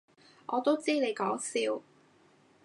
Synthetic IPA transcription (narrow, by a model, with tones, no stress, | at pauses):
ʔɔː˨˧t̪o˥wt͡siː˥ne˨˧jkɔː˨˥ŋsiː˨˥w